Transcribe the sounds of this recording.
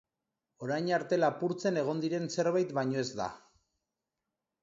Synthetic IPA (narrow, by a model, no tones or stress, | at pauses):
o̞ɾajɲaɾt̪e̞lapuɾt͡se̞ne̞ɣ̞o̞nd̪iɾe̞nse̞ɾβajt̪baɲo̞e̞zd̪a̰